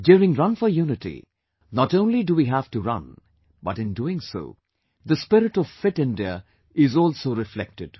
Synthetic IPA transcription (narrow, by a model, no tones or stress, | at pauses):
djuːɾɪ̃ŋɹʌ̃nfɔjunɪtḭ | nɔtõʊ̃nliduwiɦæv̥tuɾʌ̰̃n | bʌtɨ̃nduɪ̃ŋso̰ː | d̪əspɪɾɪʈɔv̥fɪtɪ̃ndiə | ɪzɔːlsoːɾɪflɛ̰k̚tɨd̥